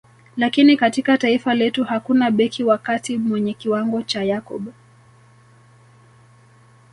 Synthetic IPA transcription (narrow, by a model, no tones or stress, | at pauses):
lakinikatikataifalɛtuhakunaɓɛkʰiwakatimwɛɲɛkiwaŋɡɔt͡ʃajakɔ̰ɓɔ